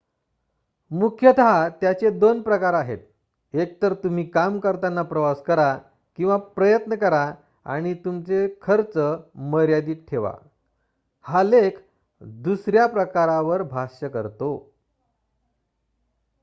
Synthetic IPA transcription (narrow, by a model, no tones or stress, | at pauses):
mukʰjət̪aɦat̪jat͡sed̪onpɾəkaɾaɦḛt̪̚ | ek̚t̪əɾt̪um̤iːkamkəɾt̪anːapɾəʋaskəɾa | kĩw̃ʋapɾəjət̪nəkəɾa | a̰ɽ̃it̪umt͡sekʰəɾt͡səməɾjad̪iːʈʰeʋa̰ | halek | d̪usɾjapɾəkaɾaʋəɾbʱaʂəkə̰ɾt̪o